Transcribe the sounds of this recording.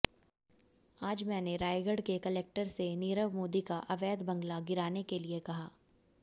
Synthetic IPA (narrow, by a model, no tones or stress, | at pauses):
aːd͡ʒmɛːneɾaːɪɡəɽkekɐleːk̚ʈəɾseniːɾəʋmoːd̪ikaʔɐʋɛːd̪bɐ̃ŋɡlaɡɪɾaːnekeliekɐɦaː